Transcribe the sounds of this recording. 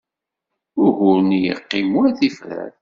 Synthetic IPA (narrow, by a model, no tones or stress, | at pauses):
ʊɾhʊɾnjə̰qːimæθifɾæ̰ɾ